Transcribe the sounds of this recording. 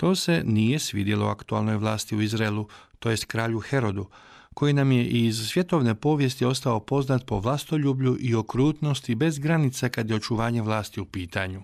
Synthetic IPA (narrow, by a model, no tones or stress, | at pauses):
t̪o̞ːse̞nije̞sʋḭːd̪jelo̞̰a̰kt̪ualno̞jʋlˠaːst̪iuizɾaelˠut̪o̞je̞st̪kɾaːʎuxe̞ɾo̞d̪u | ko̞jinamje̞ʔizsʋje̞t̪o̞ʋne̞po̞ːʋje̞st̪io̞st̪ao̞po̞znat̪̚po̞ʋlˠast̪o̞ʎuːbʎuʔio̞kɾuːt̪no̞st̪ibe̞zɡɾanit̪sekad̪je̞o̞t͡ʃuʋaːɲe̞ʋlˠaːst̪iupiːt̪aɲu